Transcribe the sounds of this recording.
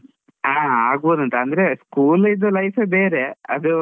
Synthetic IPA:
aːaːɡ̚boːd̪ɐnt̪ɐɐnd̪ɐɾeskuːlid̪ːɐlɐjfʰeːbeːɾeɐ̰d̪u

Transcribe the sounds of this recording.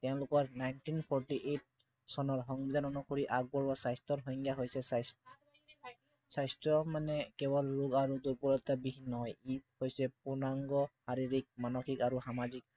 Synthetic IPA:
tɛʊ̃lʊkɔɹnajntinpʰɔɹʈiʔet̚ | sɔnɔɹɦɔŋbid̪anɔnukoɹiʔaɡ̚bɔɹbasajstɔtɦɔjŋɡjaɦojsɛss | sajstɹɔmanɛkɛβɔlɹuɡaɹuduɹpɔɹɔtabibʱinːɔɦɔjip̚hojsɛpunaŋɡɔhaɹiɹik̚manɔxʰikaɹuxamazik̚

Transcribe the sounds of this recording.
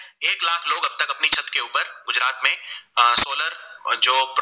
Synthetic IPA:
eːklaːkʰloːɡɐb̚t̪ɐkɐpnit͡ʃʰɐt̪keuːpəɾɡʊd͡ʒɾaːt̪mẽsoːləɾd͡ʒoːp

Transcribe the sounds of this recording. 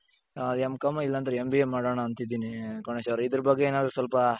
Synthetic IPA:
ɐmkɐmːɐilːɐnt̪ɐɾeembiemːaːɽoːɳɐːnt̪id̪iːnikɐɳesɐwɾid̪ɐɾɐbɐɡːeeːnaːd̪ɾusɐlpɐ

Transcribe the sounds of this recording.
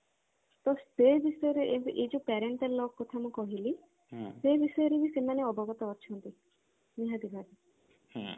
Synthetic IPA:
t̪ɔstebisɔjɔɾeʔeʔed͡ʒupɛɾeɳʈelːɔkːɔt̪ʰamũkɔɦili | sebisɔjɔɾebʱisemaneɔbɔɡɔt̪ɔɔɾt͡ʃʰɔnt̪i | niɦad̪ibʱaɾi

